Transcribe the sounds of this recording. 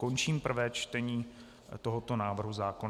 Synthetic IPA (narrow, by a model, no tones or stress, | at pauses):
ko̞nt͡ʃiːmpr̩vɛːt͡ʃt̪ɛɲiː | t̪o̞ɦot̪o̞naːvr̩ɦuzaːkon